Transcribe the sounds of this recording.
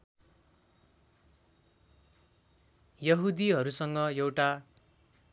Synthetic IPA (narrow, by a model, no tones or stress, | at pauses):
jʌɦud̪iɦʌɾusʌŋɡʌjewʈa